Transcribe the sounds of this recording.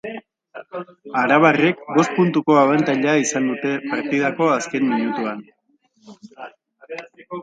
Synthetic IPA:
aɾaβ̞are̞kbo̞st̪̚punt̪uko̞aβant̪aʎeaisand̪ut̪e̞paɾt̪ið̞ako̞aske̞nmiɲut̪uan

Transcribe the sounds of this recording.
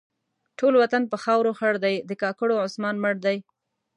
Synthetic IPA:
ʈolwat̪anpəxɑwɾoxaɽd̪ajd̪əkɑkəɽoʕʊsmɑnməɽd̪aj

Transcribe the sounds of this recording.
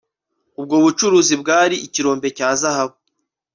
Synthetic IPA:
ub̚ɡoːβut͡ʃuɾuːzibɡaːɾiiciɾo̞ːmbe̞caːzahaβo

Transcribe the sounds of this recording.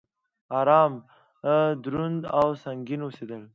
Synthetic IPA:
ɑɾɑm | d̪ɾund̪awsaŋɡinosed̪əl

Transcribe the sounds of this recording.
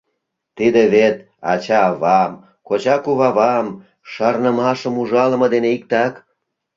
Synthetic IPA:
t̪id̪eβet̪ | ɑ̰t͡ɕɑːβɑm | kot͡ɕɑkuβɑβɑm | ʃɑrnəmɑʃəmuʒɑlə̆mɤd̪eneik̚t̪ɑk

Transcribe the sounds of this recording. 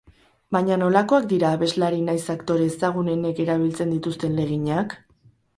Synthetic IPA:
baɲano̞lako̞akd̪iɾaːβe̞zlaɾinajsakt̪o̞ɾe̞ːsaɣ̞une̞ne̞ke̞ɾaβ̞ilt͡se̞nd̪it̪ust̪e̞nle̞ɣ̞iɲak

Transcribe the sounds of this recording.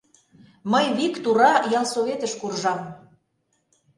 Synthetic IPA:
məjβikt̪uɾɑjɑlˠsoβet̪əʃkurʒɑm

